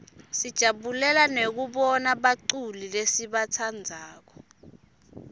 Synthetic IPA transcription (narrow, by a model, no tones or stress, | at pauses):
sid̥ʒ̥ʱaɓulɛlanek̬uɓɔnaɓaǀulilesiɓat͡sʰand͡zʱaːk̬ɔ